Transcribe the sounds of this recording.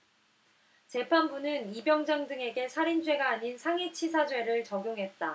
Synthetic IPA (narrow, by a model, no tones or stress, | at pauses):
t͡ɕe̞pʰanbunɯnibjʌŋd͡ʑaŋdɯŋe̞ɡe̞sʰaɾind͡ʑwe̞ɡaːɲinsʰaŋit͡ɕʰisʰad͡ʑwe̞ɾɯɭt͡ɕʌɡjoŋɦe̞t̚t͈a